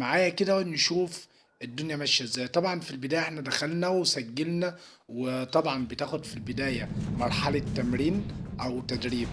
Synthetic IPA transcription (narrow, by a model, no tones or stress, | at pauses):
maʕaːjæked̪æwnʃuːf | ʔed̪ːonjæmæʃːæzæjt̪ˤɑbʕɑnfilbed̪æːjæʔeħnæd̪æxælnæwesæɡːelnæ | wet̪ˤɑbʕɑnbet̪æːxod̪filbed̪æːjæmɑɾˤħɑlet̪ːæmɾiːnʔæwt̪æd̪ɾiːb